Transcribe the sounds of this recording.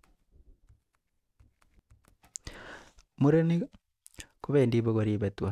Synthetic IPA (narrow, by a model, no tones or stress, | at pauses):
muɾeni | koβeːndiβoɣoɾiβetwa